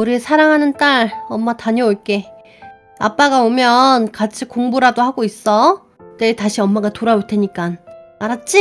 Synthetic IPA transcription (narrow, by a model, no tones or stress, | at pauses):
uɾiesʰaɾaŋɦanɯnt͈aɭʌmːataɲʌoɭk͈e̞ | a̰p͈aɡaomjʌnkat͡ɕʰikoŋbuɾadohaɡois͈ʌ | t͈etaɕʰiʌmːaɡatoɾaoɭtʰe̞ɲik͈anaɾat̚t͡ɕ͈i